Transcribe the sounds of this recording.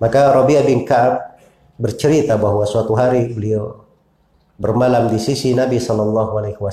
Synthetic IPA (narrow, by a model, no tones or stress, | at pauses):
makaɾɔbiabinkaːb̚ | bərt͡ʃəɾit̪abaɦwasuat̪uɦaɾibəlia | bərmalamdisisinabisɔlɔlːaɦualajhuwa